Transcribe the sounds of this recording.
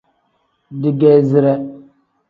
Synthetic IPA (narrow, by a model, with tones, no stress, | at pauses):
di˨ɡɛ˦zɪ˦ɾɛ˦